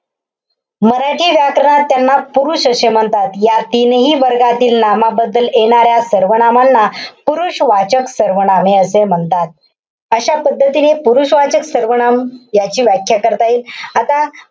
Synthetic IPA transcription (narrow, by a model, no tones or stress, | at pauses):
məɾaʈʰiːʋjakɾəɳ̃at̪ːjanːapuɾuːɕəsem̤əɳt̪at̪jat̪inɦiːʋəɾɡat̪iːlnamabəd̪ːəleɽ̃aɾjasəɾʋəɳ̃amanːapuɾuɕʋat͡ɕəksəɾʋəɳ̃ameəsem̤əɳt̪at̪̚ | əɕapəd̪ʱːət̪inepuɾuɕʋat͡ɕəksəɾʋəɳ̃amjat͡ɕiːʋjakʰjakəɾt̪aiːlat̪a